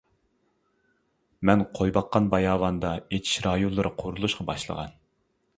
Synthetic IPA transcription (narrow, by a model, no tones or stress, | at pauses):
mɛnqʰojbɑqːɑnbɑjɑːwɑnd̪ɑet͡ʃ̪ʰi̥ʃɾɑjunlˠɨɾʔɨqʰoɾulˠuʃqɑbɑʃlˠə̰ʁɑ̰n